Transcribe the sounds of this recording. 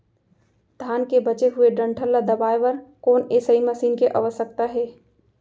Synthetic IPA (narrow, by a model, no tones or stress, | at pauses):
d̪ʱaːnkebɐt͡ʃeɦʊeɖɾə̃ɳʈʰəlːad̪ɐbaːeʋəɾkoːneːsəiməsiːnkeʔə̰ʋəsək̚t̪aɦɛː